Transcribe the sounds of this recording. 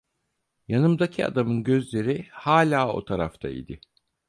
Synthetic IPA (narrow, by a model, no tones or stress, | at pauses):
janɯmd̪acʰia̰d̪amɯnɟøzlʲe̞ɾihaːlʲaːo̞̰t̪ʰaɾa̰ft̪ʰa̰ḭd̪ɪ